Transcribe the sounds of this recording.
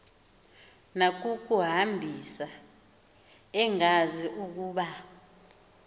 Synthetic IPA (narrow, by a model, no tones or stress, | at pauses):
nak̬ʼuk̬ʼuɦambʱisa | ɛŋaziʔuk̬uːɓa